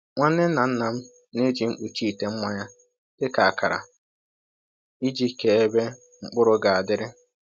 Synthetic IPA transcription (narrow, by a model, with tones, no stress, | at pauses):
ŋʷa˦ne˦na˨n̩˦na˨m̩˦ | ne˦d͡ʒi˨ŋ͡m̩˦k͡pu˨t͡ʃi˦i˨te˨ŋ͡m̩˦mʷa˦ɲa˦ | d̥ɪ˦ka˨a˨ka˨ɾa̰˨ | i˦d͡ʒi˦ke˨e˦be˦ | ŋ͡m̩˨k͡pʊ˦ɾʊ˦ɡa˨a˨dɪ˦ɾɪ˦